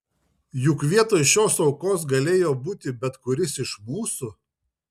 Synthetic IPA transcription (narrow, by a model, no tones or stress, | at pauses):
jʊkʋʲiɛt̪oːjʃʲoːsɒʊkoːs̬ɡɐlʲeːjoːbuːt̪ʲɪbʲɛt̪kʊɾʲɪsɪʃmuːsʊ